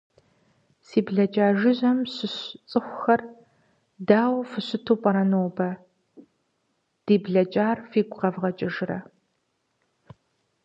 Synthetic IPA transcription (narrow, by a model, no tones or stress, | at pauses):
siːbɮɐt͡ʃʼaːʒɪʑɐmɕɪɕt͡sʼɨxʷʊxɐr | daːwfɨɕʊtʰoːpʼɐɾɐnoːbɐ | d̥iːbɮɐt͡ʃʼaːrfiːɡʷʼqɐvʁɐt͡ʃʼɪʒɪrɐ̰